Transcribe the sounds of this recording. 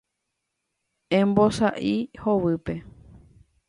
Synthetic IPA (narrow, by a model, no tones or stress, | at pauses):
ẽmbosaʔihoβɨpe̞